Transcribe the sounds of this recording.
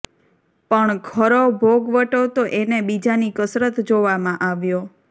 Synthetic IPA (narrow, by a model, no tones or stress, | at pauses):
pəɳɡʱəɾobʱoɡʋəʈot̪oʔenebid͡ʒanikəsɾət̪d͡ʒoʋamãʔaʋjo